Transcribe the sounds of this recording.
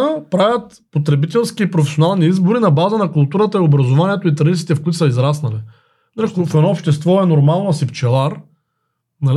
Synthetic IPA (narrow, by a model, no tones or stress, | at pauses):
pɾavʲɐt̪ | pot̪ɾɛbit̪ɛlˠskiːpɾofɛ̥sionalˠniizboɾinɐbazənɐkʊlˠt̪uɾət̪əiobɾɐzovaniɛt̪oit̪ɾɐd̪it̪i̥t̪ɛfkʊit̪sɐizɾasnɐli | nakfɛd̪ɔːpʃt̪ɛst̪vɔɛnoɾmalˠnosipt͡ʃɛlˠaɾ | nɐl